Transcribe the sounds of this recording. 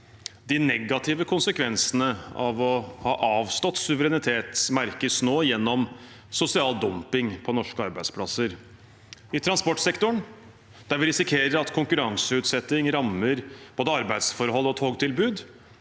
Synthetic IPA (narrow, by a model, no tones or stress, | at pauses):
d̪ɪnɛɡɑt̪ʰɪʋəkʰʊnsəkʰʋɛnsənəɑ̰ʋɔhɑːʔɑːʋst̪ɔt̪sʉʋəɾɛnɪt̪ʰeːt̪smæɾkəsnoːjɛnːɔm | sʊsɪɑːld̪ɔmpɪŋpʰɔnɔʂkəɑɾbæɪspʰlɑsəɾ | ɪt̪ʰɾɑnspɔʈːsɛkt̪ʊɳ | d̪æɾʋɪɾɪsɪkʰeːɾəɾɑt̪kʰʊŋkʉɾɑŋsəʉːt̪sɛt̪ːɪŋɾɑmːəɾb̥oːd̪əɑɾbæɪd̪sfɔɾɦɔlːɔt̪ʰoːɡt̪ʰɪlbʉːd̪